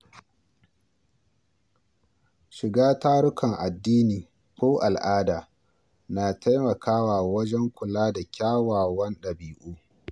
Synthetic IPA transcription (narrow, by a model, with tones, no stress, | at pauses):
ʃɪ˨ɡaː˦taː˦ɽʊ˦kɐ˨ŋʔa˨dːiː˦niː˨ | kʷoː˦ʔa˨lʔaː˦daː˨ | naː˨tʰa˦jmɐ˨kʰaː˦waː˨wɐ˦d͡ʒɛ˦ŋkʷʊ˨laː˦da˨kʲaː˦waː˨wɐ˦nɗɐ˨biː˨ʔuː˦